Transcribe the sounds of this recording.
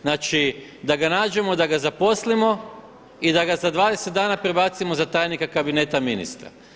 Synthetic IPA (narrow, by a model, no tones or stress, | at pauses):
naːt͡ʃid̪aɡanaːd͡ʒe̞mo̞d̪aɡazapo̞slimo̞ | id̪aɡazad̪ʋaːd̪eset̪̚d̪aːnapɾebat̪simo̞zat̪aːjnikakabine̞ːt̪aminḭst̪ɾa̰